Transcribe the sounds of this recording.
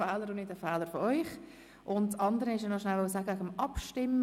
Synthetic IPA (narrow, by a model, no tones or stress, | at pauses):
ɛːləɾʊnɪtəfɛːləɾfɔɔʏχ | ʔʊntsɑnd̪əɾəɪʃənɔʃnælʋosaːɡəæɡəmɑpʃtɪm